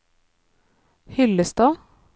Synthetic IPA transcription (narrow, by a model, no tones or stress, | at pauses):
hʏləst̪ɑː